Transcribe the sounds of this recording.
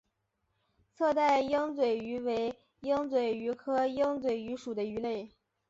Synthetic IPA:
t͡sʰɤ˥˧t̪a˥˧ɪjɤ˥ŋt͡swe˨˩ɪy˧˥we˧˥ɪ | jɤ˥ŋt͡swe˨˩ɪy˧˥kʰɤ˥jɤ˥ŋt͡swe˨˩ɪy˧˥ʂu˨˩d̪ə˦y˧˥le˥˩ɪ

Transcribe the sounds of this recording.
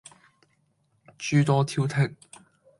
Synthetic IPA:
t͡ʃyː˧t̪ɔː˧t̪ʰiː˧˥wt̪ʰɪ˨˩k̚

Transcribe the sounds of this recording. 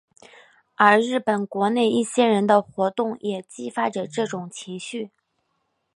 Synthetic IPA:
ə˞˧˥ɻɻ̩˥˩pə˨˩nkwɔ˧˥ne˥˧ɪi˥˩ɕjɛ˥ɻə˧˥nd̪ə˧xwɔ˧˥t̪ʊ˥˩ŋjʔɛ˨˩t͡ɕi˥fa˥ʈ͡ʂə˨ʈ͡ʂɤ˥˩ʈ͡ʂʊ˨˩ŋt͡ɕʰi˧˥ŋɕy˥˩

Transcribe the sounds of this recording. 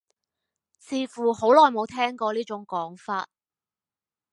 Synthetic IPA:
t͡sʰiː˨˧fuː˨˩ho˨˥wlɔː˨jmo˨˧wt̪ʰɛː˥ŋkɔː˧liː˥t͡ʃʊ˨˥ŋkɔː˨˥ŋfaː˧t̚

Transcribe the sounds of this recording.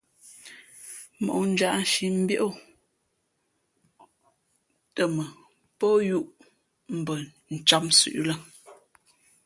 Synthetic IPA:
mo̰˨ʔn̩˦d͡ʒa˨ʔn̩˨ʃi˨m̩˦bjo˦ʔo˦˨ | tə˨mə˨ | pɔ˦ju˦ʔ | m̩˨bə˨ | n̩˨t͡ʃa˦msʉ̰˨ʔlə˦

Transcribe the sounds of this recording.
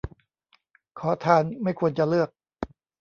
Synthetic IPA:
kʰɔː˩˦t̪ʰaː˧nma˥˩jkʰu˧ənt͡ɕa˧lɯ˥˩ək̚

